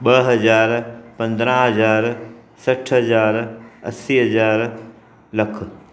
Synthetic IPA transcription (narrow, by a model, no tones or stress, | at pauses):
ɓɐɦɐzaːɾpɐ̃nd̪ɾãɦɐzaːɾsɐʈʰɦɐzaːɾɐ̰siːɦɐzaːɾ | lɐk̆ʰ